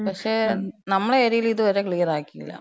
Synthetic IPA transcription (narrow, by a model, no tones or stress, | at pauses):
pɐkʂeːnɐmːɐɭeɐɾijiliðɨʋɐɾeːkɭiːɐraːkːijḭlːɐ̰